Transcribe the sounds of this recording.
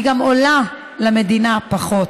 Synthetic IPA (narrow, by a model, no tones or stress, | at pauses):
ɡamola | lame̞d̪inapaχo̞t